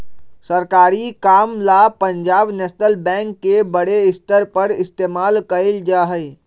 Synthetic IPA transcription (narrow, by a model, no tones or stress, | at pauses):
səɾkaːɾikamlapəɲd͡ʒaːbnesnəlbɛ̃ŋkːebəɽeɪst̪əɾpəɾɪst̪emalkəld͡ʒaɦəj